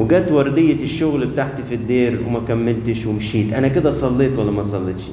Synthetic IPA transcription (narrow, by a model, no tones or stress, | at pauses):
wɪɡæːt̪wɑɾˤd̪ɪjːeʃːʊɣlbet̪aʕt̪ifid̪ːeːɾwḛmækæmːɪlt̪ɪʃwɪmʃiːt̪ʔænæked̪æsˤɑlːeːt̪wælːæmæsˤɑlːet̪ʃi